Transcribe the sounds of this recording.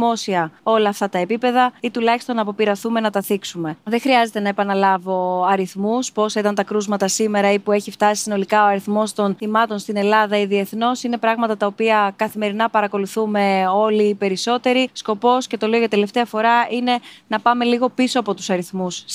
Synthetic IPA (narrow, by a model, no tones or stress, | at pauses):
mo̞siɐo̞lɐːft̪ɐt̪ɐepipe̞ðɐit̪ulɐçi̥st̪o̞nːɐpo̞piɾɐθume̞nɐt̪ɐθiksume̞ðexɾiɐze̞t̪e̞nɐepɐnɐlɐvo̞ɐɾiθmuspo̞sɐit̪ɐnt̪ɐkɾuzmɐt̪ɐsime̞ɾɐipue̞çift̪ɐsi̥sino̞likɐoɐɾiθmo̞st̪o̞nθimɐt̪o̞nst̪ine̞lɐðɐiðie̞θno̞sine̞pɾɐɣmɐt̪ɐt̪ɐopiɐkɐθime̞ɾinɐpɐɾɐko̞luθume̞o̞liːpe̞ɾiso̞t̪e̞ɾisko̞po̞sce̞t̪o̞leoʝɐt̪e̞le̞ft̪eɐfo̞ɾɐine̞nɐpɐme̞liɣo̞piso̞ɐpo̞t̪usɐɾiθmus